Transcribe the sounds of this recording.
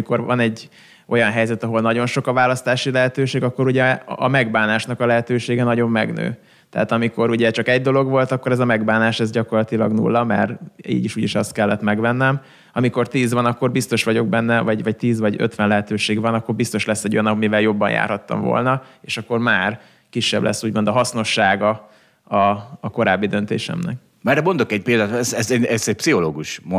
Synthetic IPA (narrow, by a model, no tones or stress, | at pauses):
miko̞rɒnɛɟ | ʔo̞jɒnɦɛjzɛt̪ɒɦolnɒɟo̞nʃo̞kɒvaːlɒst̪aːʃilɛɦɛt̪øːʃeːɡɒkːo̞ɾuɟɛɒ̰mɛɡbaːnaːʃnɒkɒlɛɦɛt̪øːʃeːɡɛnɒɟo̞mːɛ̰ɡnø̰ː | t̪ɛ̰aːt̪ɒmiko̞ɾuɟɛt͡ʃɒkɛɟ̚d̪o̞lo̞ɡʋo̞lt̪ɒkːoɾɛzɒmɛɡbaːnaːʃɛzɟɒko̞rlɒt̪ilɒ̰ɡnṵːlːɒmɛ̰rḭːɟiʃuːɟiʃɒst̪kɛlːɛt̪mɛɡʋɛnːɛm | ɒmiko̞rt̪iːzʋɒnɒkːo̞rbist̪o̞ʃʋɒɟo̞ɡbɛnːɛvɒɟvɒct̪iːzʋɒɟø̞̰t̪ʋɛnlɛɦɛt̪øːʃeːɡvɒnɒkːo̞rbist̪o̞ʃlɛsːɛɟo̞jɒnːɒmivɛljo̞bːɒ̰njʔa̰ːrhɒt̪ːɒ̰ɱvo̰lnɒeːʃɒkːo̞rmaːr | kiʃːɛ̰blʔɛ̰sːuːɟmo̞nd̪ɒɦɒsno̞ʃːaːɡɒ | ɒːko̞ɾaːbːid̪ø̞nt̪ḛːʃɛ̰mnɛk | mɛrɛmo̞nd̪o̞kɛɟ̚peːld̪aːt̪ɛzɛzɛɛzɛc̚psiɦo̞loːɡuʃm